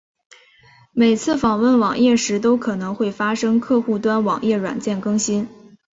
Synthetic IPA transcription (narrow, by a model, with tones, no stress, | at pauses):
me˨˩ɪt͡sʰɹ̩˥˩fɑ˨˩ŋwə˥˩nwɑ˨˩ŋjɛ˥˩ʂɻ̩˧˥t̪o˥ʊkʰɤ˨˩nɤ˧˥ŋxwe˥˩ɪfa˥ʂɤ˥ŋkʰɤ˥˧xu˥˩t̪wa˥nwɑ˨˩ŋjɛ˥˩ɻwa̰˨˩nt͡ɕjɛ˥˩nkɤ˥ŋɕi˥n